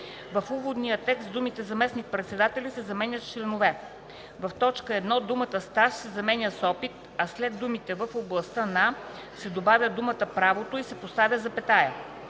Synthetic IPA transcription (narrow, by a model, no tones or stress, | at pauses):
vɐfuvod̪nijət̪ɛkst̪d̪umit̪ɛzɐmɛsnik̚pɾɛt̪sɛd̪at̪ɛlʲisɛzɐmɛnʲət̪t͡ʃlɛnovɛ | vɐft̪ɔt͡ʃkəɛd̪nɔd̪umət̪əst̪aʃsɛzɐmɛnʲəsɔpit̪ | ɐslɛd̪ːumit̪ɛvəfoblˠɐst̪əna | sɛd̪obavʲəd̪umət̪əpɾavot̪oisɛpost̪avʲəzɐpɛt̪ajə